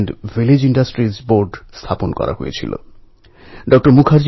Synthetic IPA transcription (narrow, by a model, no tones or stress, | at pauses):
ɳɖviled͡ʑiɳɖasʈɾizboɾɖst̪ʰaponkɔ̰ɾa̰ɦo̰jḛt͡ɕʰḭlo̰ | ɖɔk̚ʈoɾmukʰaɾd͡ʑ